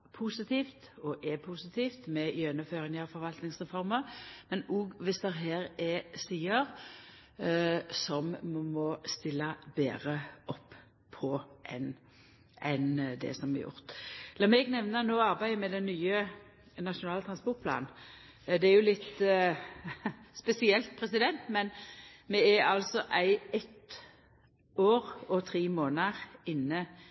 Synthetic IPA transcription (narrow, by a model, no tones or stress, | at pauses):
pʰusɪt̪ʰiːft̪ɔʔɛpʰusɪt̪ʰiːft̪mɛɪjœnəføːʁɪŋəfɔɾʋɑlt̪nɪŋsʁɛfɔɾməʁmɛnuːɡʋɪsd̪ɛɦeːɾɛsiːəʁ | sɔmmɔst̪ɪlːəbḛːʁəʔɔpʰː | ɔʔɛn | ʔɛnd̪ɛ̰sɔmɛjʊ̰ʁt̪lɑːmɛɡnɛʋnənoːɑʁbæɪəmɛd̪ɛnːyːə | nɑʃʊnɑːlət̪ʁɑnspɔʁt̪̚pʰlɑ̰ːn | d̪ɛæɾjʊlɪt̪ | spɛsɪɛlt̪̚pʰʁɛsɪd̪ɛnt̪mɛnmɛæɾɑlsɔʔæɪɛt̪ | oːʁɔt̪ʰʁiːmoːnəʁɪnːə